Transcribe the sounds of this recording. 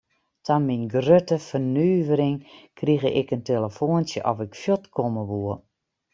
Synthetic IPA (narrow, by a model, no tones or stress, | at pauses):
tʰɔnminɡrøtəfərnyːʋəɾɪŋkʰriɣəʔɪkənteləfoːənsjəʔɔfɪkfjɔtkʰoməʋuə